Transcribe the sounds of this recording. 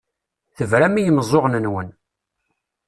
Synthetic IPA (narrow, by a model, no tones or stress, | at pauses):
θəvɾæmijəməzˤoʁnənwən